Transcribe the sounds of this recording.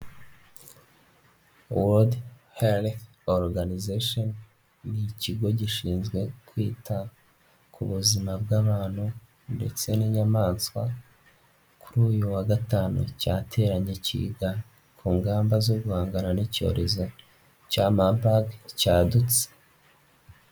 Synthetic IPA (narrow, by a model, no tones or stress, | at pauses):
wodhel | oɾɡanizeʃonː | iciɡo̞ɟiʃiːnzɡwe̞kwiːtʰa | kʰuβuzimabɡaːβaːn̥hu | nde̞̰t͡se̞niɲamaːnskwa̰ | kuɾuːjuwaɡataːnṵcaːtʰe̞ːɾaɲe̞cḭːɡa | kʰuːŋɡaːmbazo̞ɡuhaːŋɡananico̞̰ɾʔe̞zo̞ | camabaɡcaːdut͡se̥